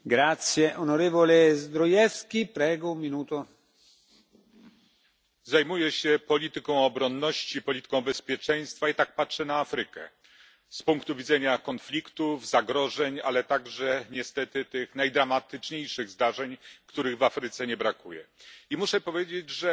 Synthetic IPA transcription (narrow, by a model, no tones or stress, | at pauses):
ɡɾat̪sjeʔonoɾeːvolezd̪ɾojɛfskʲipɾɛːɡoummːinuːt̪o | zajmujɛɕɛpɔlʲit̪ɘkɔ̃w̃ɔbɾɔnːɔɕt͡ɕipɔlʲit̪ɘ̥kɔ̃w̃bɛspʲjɛt͡ʂɛj̃st̪fait̪ak̚patʂɛnaafɾɘkɛ̰ | spuŋkt̪uvʲid̪zɛɲakɔnflʲikt̪uvzaɡɾɔʐɛɲa̰lɛt̪aɡʐɛɲɛst̪ɛt̪ɘt̪ɘxnajd̪ɾamat̪ɘt͡ʂɲejʂɘɣzd̪aʐɛɲkt̪uɾɘɣvafɾɘt̪sɛɲɛbɾakujɛ̰imuʂɛpɔvʲjed͡ʑed͡ʑʐɛ